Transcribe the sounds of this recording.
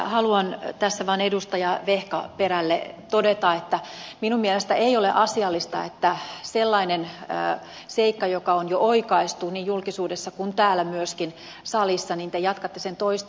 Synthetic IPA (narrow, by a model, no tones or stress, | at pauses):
hɑluɑnt̪æsːæʋɑːnedust̪ɑjɑʋehkɑ̰peɾælːḛt̪odet̪ɑet̪ːæminumielest̪æeioleʔɑsiɑlːist̪ɑ̰et̪ːæselːɑinen̰ː | seikːɑjokɑonjoʔoikɑist̪uniːjjulkisuːdesːɑkunt̪æːlːæmyøskin | sɑlisːɑniːnt̪ejɑt̪kɑt̪ːesent̪oist̪